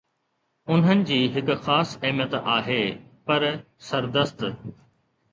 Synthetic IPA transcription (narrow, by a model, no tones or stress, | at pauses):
ʊn̤ɦənɪ̆d͡ʑiːɦɪkʊ̆xaːsɐɦmjət̪aːɦeːpɐɾ | sɐɾd̪əst̪